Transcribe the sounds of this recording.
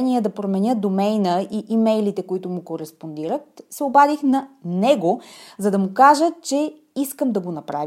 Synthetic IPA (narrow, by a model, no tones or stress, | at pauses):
niəd̪ɐpɾomɛnʲəd̪omɛjnəiʔimɛjlit̪ɛkoit̪ʊmukoɾɛspond̪iɾət̪̚sɛobad̪ixnɐnɛɡozɐd̪ɐmukaʒət͡ʃɛ | iskəmd̪ɐɡonɐpɾav